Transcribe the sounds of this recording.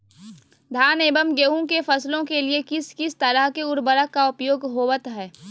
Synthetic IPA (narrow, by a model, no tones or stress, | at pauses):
d̪ʱaːneːbəmɡeɦũkefɐslõkeliekɪskɪst̪ɐɾəɦkeʊɾbəɾəkaʊpjoːɡɦoːʋət̪ɦɛː